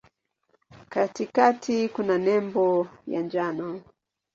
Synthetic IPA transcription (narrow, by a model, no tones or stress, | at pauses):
katikatʰikunanɛmbɔja̰nd͡ʒanɔ